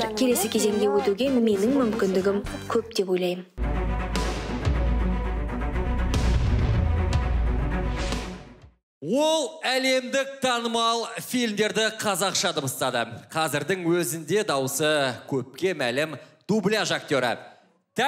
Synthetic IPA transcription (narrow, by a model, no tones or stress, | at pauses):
ɾkʲʰe̞le̞sɪkʲʰe̞ze̞ŋɡʲe̞wɵt̪uɡʲe̞me̞nɪŋmʏmkʲɪnd̪ɪɡʲɪmkʲʰɵp̚d̪e̞po̞jlˠɑjən | wo̞lˠæle̞md̪ɪk̚t̪ʰɑnəmɑlˠfilmd̪e̞ɾd̪ɪqʰɑzɑqʃɑd̪əbəst̪ɑd̪əqʰɑzɪɾd̪ɪŋwɵzɪnd̪e̞d̪ɑwəsəkʲʰɵp̚kʲe̞mælɪmd̪̥ublʲijaʒak̚t̪o̞ɾə̰ | t̪ʰæ